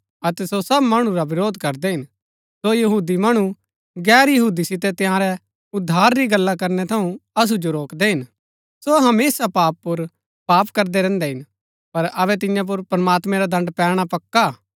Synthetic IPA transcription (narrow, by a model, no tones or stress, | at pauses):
ɐt̪ɛsosɐbmɐɽ̃ũɾabɪɾoːd̪ʱkɐɾd̪ɛɦɪn | sojɐɦuːd̪imɐɽ̃u | ɡɛːɾjɐɦuːd̪isɪt̪̬ɛt̪jãɾɛ | ʊd̪ʱːaːɾːiɡɐlːakɐɾnɛt̪ʰɐũɐs̬ud͡ʒoɾoːkd̪ɛɦɪn | soɦɐmeːsapaːpːʊɾ | paːpkɐɾd̪ɛɾɛ̃ːnd̪ɛɦɪn | pɐɾɐβɛt̪ɪjãp̬ʊɾpɾɐmaːt̪mɛ̃ɾad̪ʱɐ̃ɳɖpɛːɽ̃apɐkːa